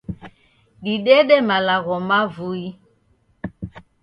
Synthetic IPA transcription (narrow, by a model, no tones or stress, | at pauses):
ɗiɗɛɗɛmalaɣɔmavui